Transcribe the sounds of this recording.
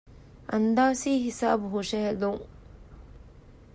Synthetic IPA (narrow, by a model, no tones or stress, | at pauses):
ʔɐnd̪aːsiːɦisaːbuɦoʃɐɦeluŋ